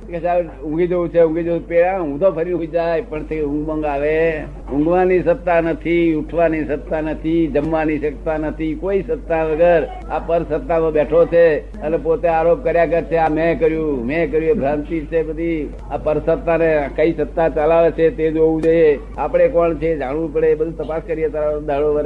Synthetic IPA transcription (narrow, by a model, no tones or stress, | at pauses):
keʃa | ʊ̃ŋɡid͡ʒoũt͡ʃʰeũŋɡid͡ʒoũpeɭãɦũd̪ʱopʰəɾjũid͡ʒajpəɳt̪eɦʊ̃ŋɡmə̃ŋɡaʋe | ʊ̃ŋɡʋanisət̪ːanət̪ʰiuʈʰʋanisət̪ːanət̪ʰid͡ʒəmʋaniʃək̚t̪anət̪ʰikoisət̪ːaʋəɡəɾ | apəɾsət̪ːamãbɛʈʰot͡ʃʰe | ənepot̪eaɾop̚kəɾjakəɾt͡ʃʰeamɛ̃kəɾjũmɛ̃kəɾjũebʱɾãnt̪it͡ʃʰebəd̪ʱi | apəɾsət̪ːanekəisət̪ːat͡ʃalaʋet͡ʃʰet̪ed͡ʒoũd͡ʒoie | apɽ̃ekɔɳt͡ʃʰed͡ʒaɽʋũpəɽebəd̪ʱut̪əpaskəɾiet̪aɾad̪ʱaɭoʋəɾ